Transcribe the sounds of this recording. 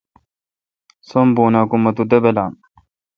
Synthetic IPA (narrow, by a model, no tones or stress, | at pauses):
sombuːnakumːɐt̪ud̪ɐbelam